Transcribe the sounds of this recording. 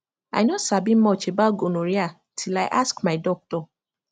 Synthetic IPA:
a̰ɪnɔtsabim̩mɔt͡ʃebaoɡonõɾia | tʰilaɪʔaskmaɪdɔk̚tɔ

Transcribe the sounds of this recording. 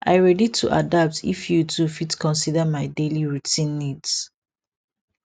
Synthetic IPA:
ʔa̰ɪɹɛditʰṵʔa̰dap̚tʰḭfjutʰufitkʰɔ̃nsidəmaɪdeliɹutĩnːids

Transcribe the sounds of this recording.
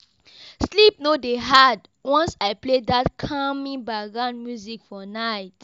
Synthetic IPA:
slip̚nodeɦad | wɔ̃nsaɪpledatkʰamĩbaɡãnmjuzikfɔnaɪt

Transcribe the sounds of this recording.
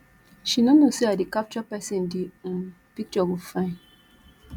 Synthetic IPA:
ʃinonoseadikap̚t͡ʃɔpɛsĩndim̩ | pik̚t͡ʃɔɡufãn

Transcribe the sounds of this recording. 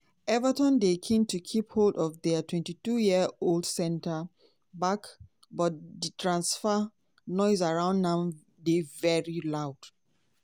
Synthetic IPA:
ɛvətɔ̃ndekʰẽmtukʰipholdɔvdɛtwɛ̃ntitujiəoldsɛ̃ntə | bak | bɔtditʰɹãnsfə | nɔɪzaɹãʊ̃ndnãʊ | devɛɹilaʊd̥

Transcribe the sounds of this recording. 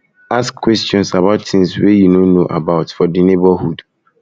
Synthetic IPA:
askkːwɛstɔ̃nsaβaʊtθɪ̃ŋswejunonoʔa̰baʊtfɔdinebɔhud

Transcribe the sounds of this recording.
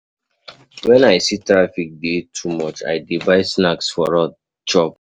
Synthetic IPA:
wɛ̃naɪsitɹafik̚detʰumɔt͡ʃa̰ɪdivaɪsnaksfɔɹɔ | t͡ʃɔp̚

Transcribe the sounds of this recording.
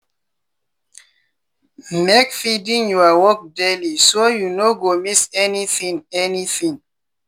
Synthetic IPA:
mekfidĩŋjuawɔk̚delisojunoɡomisɛniθĩŋɛniθĩŋ

